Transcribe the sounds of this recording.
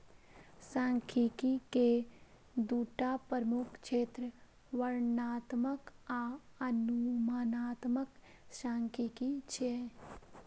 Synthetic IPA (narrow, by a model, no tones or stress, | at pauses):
sãːŋkʰikike | d̪uːʈapəɾmukʰt͡ʃeːt̪ɾə | ʋəɾnaːt̪məkaənumaːnaːt̪mək | ʃãːŋkʰikit͡ʃʰe